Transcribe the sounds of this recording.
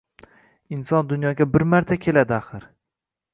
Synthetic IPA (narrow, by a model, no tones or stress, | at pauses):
ɪnsɒnd̪ʊnjɒɡʲabɪɾmaɾt̪ʰakʲʰe̞lad̪ɪaχɨɾ